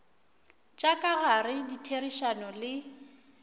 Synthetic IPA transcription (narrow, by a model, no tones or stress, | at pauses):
t͡ʃʼakʼaɣarɪditʰeriʃanɔlɪ